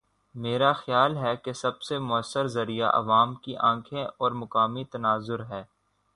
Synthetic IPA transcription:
meːɾaxjaːlɦɛkesɐbsemʊəsːəɾzɐɾija̰ʔɐ̰ʋaːmkiʔãːkʰẽɔːɾmʊkaːmit̪ɐnaːzʊɾɦɛː

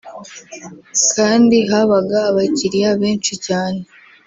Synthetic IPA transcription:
kʰaːndiɦaβaɡaːβaciɾijaβeːnt͡ʃicaːne

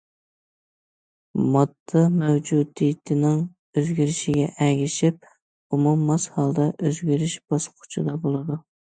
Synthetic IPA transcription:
mɑd̪ːɑmɛwd͡ʒud̪ijt̪ʰɪnɪŋ | øzɡʲiɾɪʃɪɡʲɛʔɛɡʲɪʃip̚ | umumːɑshɑlˠd̪ɑʔøzɡʲiɾɪʃb̥ɑsqʰʊ̥t͡ʃʰɨd̪ɑbolˠɨd̪u

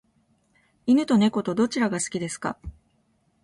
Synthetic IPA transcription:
inɯ̟t̪o̞ne̞ko̞t̪o̞d̪o̞t͡ɕiɾaɡasɨ̥kʲid̪e̞sɨ̥ka̰

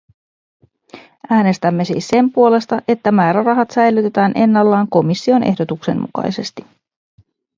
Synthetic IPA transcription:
æːne̞st̪æmːe̞sḭːsːe̞mpuo̞le̞st̪ɑʔe̞t̪ːæmæːɾærɑɦɑt̪sæjlyt̪et̪æːnʔe̞nːɑlːɑːŋko̞misːio̞nʔe̞hdo̞t̪ukse̞̰mmṵkɑ̰jse̞̰st̪i̥

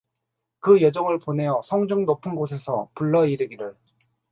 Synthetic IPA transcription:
kɯjʌd͡ʑʌŋɯɭpone̞jʌsʰʌŋd͡ʑuŋnopʰɯnɡosʰe̞sʰʌ̰puɭːʌiɾɯɡiɾɯɭ

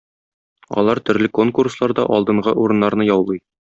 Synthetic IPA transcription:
ɒ̰lˠɑɾt̪ɵ̆ɾlɘkoŋkurslˠɑɾd̪ɑʔɒlˠd̪ɤ̆ɴʁɤʔuɾɤ̆nːɑɾnɤjɒwlˠɤj

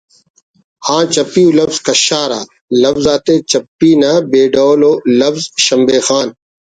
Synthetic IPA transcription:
hãːt͡ɕɐpiːulɐfzkɐɕaːɾa̰ː | lɐfzaːt̪eːt͡ɕɐpːiːnaːbeːɖoːloːlɐfzʃɐmbeːxaːn

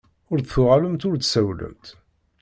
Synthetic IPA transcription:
ʊɾθθʊʁaləmt̪ʊɾt̪sæwlə̰mt̪

